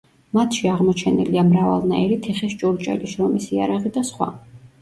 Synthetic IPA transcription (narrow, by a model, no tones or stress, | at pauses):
mat̪ʰʃiaʁmɔt͡ʃʰɛnḭliamɾava̰lˠnaɛɾit̪ʰiχist͡ʃʼuɾt͡ʃʼɛ̰liʃɾɔmisia̰ɾaʁid̪asχwa̰